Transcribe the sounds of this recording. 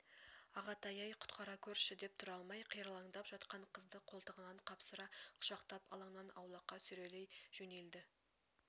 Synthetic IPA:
ɑʁɑt̪ʰɑjɑjqʰʊ̥t̪qɑɾɑkʲʰɵɾʃɪd̪e̞p̚t̪ʰʊɾɑlˠmɑjqʰijɾɑlˠɑŋd̪ɑpʒɑt̪qɑɴqʰəzd̪əqʰo̞lˠt̪əʁənɑɴqʰɑpsəɾɑqʰʊ̥ʃɑqt̪ɑpɑ̰lˠɑɴnɑnɑwlˠɑqːɑsʏɾe̞lejʒ̥ɵne̞ld̪ɪ

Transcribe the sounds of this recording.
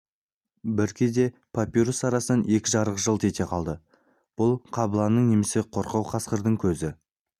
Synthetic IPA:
bɪɾkʲʰed̪e̞ | pʰapʲiɾusɑɾɑsənɑne̞kʲɪʒɑɾəqʒəlˠt̪ʰe̞t̪e̞qʰɑlˠd̪ə | b̥ʊlˠqʰɑbəlˠɑnːəɴne̞mɪsɪqʰo̞ɾqɑwqʰɑsqəɾd̪əɴkʲʰɵzɪ

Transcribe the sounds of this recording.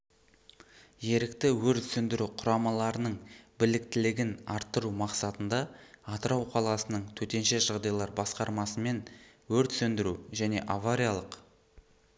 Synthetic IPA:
je̞ɾɪkt̪ɪwɵɾt̪sɵnd̪ɪɾuqʰʊɾɑmɑlˠɑɾənəɴbɪlɪkt̪ɪlɪɡʲɪnɑɾt̪ːəɾumɑqsɑt̪ənd̪ɑːt̪əɾɑwqʰɑlˠɑsənəɴt̪ʰɵt̪e̞nʃe̞ʒɑʁd̪ɑjlˠɑɾbɑsqɑɾmɑsəme̞n | wɵɾt̪sɵnd̪ɪɾuʒæne̞̰ʔavaɾʲijalˠəq

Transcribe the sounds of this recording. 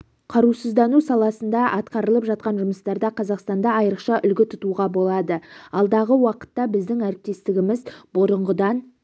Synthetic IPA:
qʰɑɾusəzd̪ɑnusɑlˠɑsənd̪ɑʔɑt̪qɑɾəlˠəpʒɑt̪̚qɑnʒʊməst̪ɑɾd̪ɑqʰɑzɑqst̪ɑnd̪ɑɑjəɾəqʃɑʔʏlɡʲɪt̪ʰʊt̪uʁɑbo̞lˠɑd̪əɑlˠd̪ɑʁəwɑqə̥t̪ːɑbɪzd̪ɪŋæɾɪp̚t̪e̞st̪ɪɡʲɪmɪzbʊɾəɴʁəd̪ɑn

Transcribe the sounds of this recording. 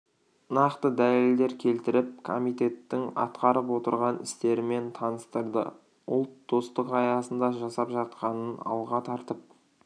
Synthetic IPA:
nɑqt̪əd̪æleld̪e̞ɾkʲʰe̞lt̪ɪɾɪp̚kʰo̞̰mijt̪ʲe̞t̪ːɪŋɑ̰t̪qɑɾəpwo̞t̪əɾʁɑnɪ̰st̪e̞ɾɪme̞nt̪ʰɑnəst̪əɾd̪ə̰ | ʊ̰lˠt̪d̪o̞st̪əqɑjɑsənd̪ɑʒɑsɑpʒɑt̪̚qɑnənɑ̰lˠʁɑt̪ʰɑɾt̪əp̚

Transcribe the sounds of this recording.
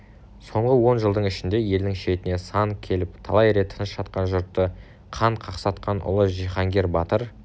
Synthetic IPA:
so̞ɴʁəwo̞nʒəlˠd̪əɴɪʃɪnd̪e̞je̞ld̪ɪŋʃe̞t̪ɪne̞sɑŋkʲʰe̞lɪpt̪ʰɑlˠɑjɾe̞t̪ʰːənəsʃɑt̪̚qɑnʒʊɾt̪ːə | qʰɑɴqʰɑqsɑt̪qɑnʔʊ̰lˠəʒiχɑŋɡʲe̞ɾbɑt̪əɾ

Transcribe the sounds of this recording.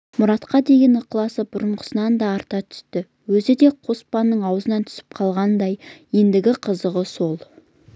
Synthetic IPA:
mʊɾɑt̪qɑd̪e̞ɡʲenəqlˠɑsəbʊɾəɴqʰə̥sənɑnd̪ɑːɾt̪ɑt̪ʰʏ̥st̪ɪ | wɵzɪd̪e̞qʰo̞spɑnːəɴɑwəzənɑnt̪ʰʏ̥sɪ̥p̚qʰɑlˠʁɑnd̪ɑjje̞nd̪ɪɡʲɪqʰəzəʁəso̞lˠ

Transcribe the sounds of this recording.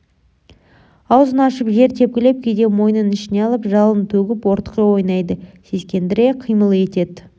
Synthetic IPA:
ɑwzənɑʃəpʒe̞ɾt̪ʲʰe̞p̚kʲɪle̞p̚kʲʰejd̪e̞mo̞jənənɪʃɪne̞ɑlˠəpʒɑlˠənt̪ʰɵɡʲɪpwo̞ɾt̪ə̥qəwo̞jnɑjd̪əse̞skʲe̞nd̪ɪɾe̞qʰijməlˠe̞t̪e̞d̪

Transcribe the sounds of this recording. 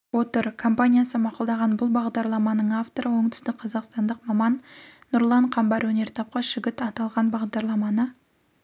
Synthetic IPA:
wo̞t̪əɾkʰo̞mpanʲijasəmɑqʊlˠd̪ɑʁɑnbʊlˠbɑʁd̪ɑɾlˠɑmɑnəɴaft̪oɾəwo̞ɴt̪ʰʏ̥st̪ɪk̚ʲqʰɑzɑqst̪ɑnd̪əqmɑmɑnːʊɾlˠɑɴqʰɑmbɑɾwɵne̞ɾt̪ʰɑp̚qɑʃɪɡʲɪt̪ɑt̪ɑlˠʁɑnbɑʁd̪ɑɾlˠɑmɑnə

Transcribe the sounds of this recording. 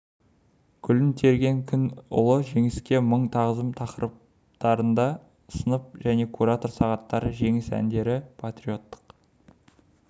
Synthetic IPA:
kʲʰʏlɪnt̪ʰe̞ɾɡʲe̞ŋkʲʰʏnʊ̰lˠəʒe̞ŋɪskʲe̞məɴt̪ʰɑʁəzəmt̪ʰɑqəɾəp̚ | t̪ɑɾənd̪ɑ | sənəp̚ʒæne̞kʰuɾat̪o̞rsɑʁɑt̪ːɑɾəʒe̞ŋɪsæ̰nd̪e̞ɾɪpʰat̪rio̞t̪ːə̥q

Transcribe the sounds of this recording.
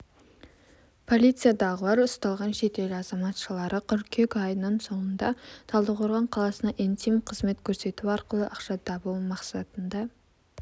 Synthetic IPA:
pʰo̞lʲit̪sɨjad̪ɑʁəlˠɑɾʊst̪ɑlˠʁɑnʃe̞t̪e̞lɑzɑmɑt̪ʃəlˠɑɾəqʰʏɾkʲʰekʲɑjənəɴso̞ɴənd̪ɑt̪ʰɑlˠd̪əqʰoɾʁɑɴqʰɑlˠɑsənɑʔint̪ijmqʰəzme̞t̪kʲʰɵɾse̞t̪uɑɾqəlˠəʔɑqʃɑd̪ɑbəlmɑqsɑt̪ənd̪ɑ

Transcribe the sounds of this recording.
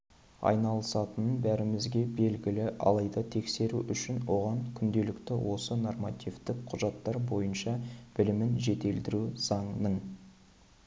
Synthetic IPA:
ɑ̰jnɑlˠəsɑt̪ənənbæɾɪmɪzɡʲe̞be̞lɡʲɪlɪʔɑ̰lˠɑjd̪ɑt̪ʰe̞kse̞ɾuʔʏʃɪnwo̞ʁɑŋkʲʰʏnd̪e̞lɪkt̪ɪwo̞səno̞rmɑt̪ʲivt̪ɪkqʰʊʒɑt̪ːɑɾbo̞jənʃɑb̥ɪlɪmɪnʒe̞t̪e̞ld̪ɪɾuzɑɴmən

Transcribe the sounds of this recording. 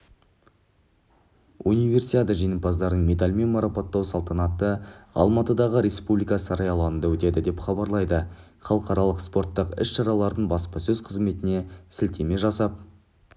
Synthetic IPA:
univʲe̞rsit̪ad̪əʒijnəmpɑzd̪ɑɾd̪əɴmʲe̞t̪alʲme̞nmɑɾɑpot̪ːɑwsɑlˠt̪ɑnɑt̪əɑ̰lˠmɑt̪əd̪ɑʁəɾe̞spublijkɑsɑɾɑjɑlˠɑənd̪ɑwɵt̪e̞d̪ɪd̪e̞pχɑbɑɾlˠɑjd̪ə | χɑlˠəqɑɾɑlˠəqspo̞ɾt̪ːəqɪʃʃɑɾɑlˠɑɾd̪əɴbɑspɑsɵzqʰəzme̞t̪ɪne̞sɪlt̪e̞me̞ʒɑsɑp̚

